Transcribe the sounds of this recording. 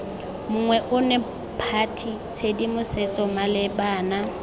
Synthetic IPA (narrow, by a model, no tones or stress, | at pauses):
mʊŋwɛʔʊnɛ | pʰatʰi | t͡sʰedimʊset͡sʼɔmalɪbaːna